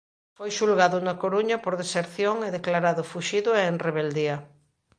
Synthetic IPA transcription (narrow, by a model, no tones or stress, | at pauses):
fojʃulɣaðʊnakoɾuɲɐpoɾðeseɾθjoŋeðeklaɾaðʊfuʃiðʊeŋreβeld̪iɐ